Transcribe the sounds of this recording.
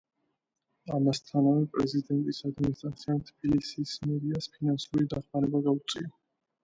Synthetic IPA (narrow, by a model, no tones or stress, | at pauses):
amast̪ʰanavɛpʼɾɛzid̪ɛnt̪ʼisad̪minist̪ʼɾat̪sʰiant̪ʰb̥ilisismɛd̪iaspʰinansuɾid̪aχmaɾɛbaɡaut̪sʼia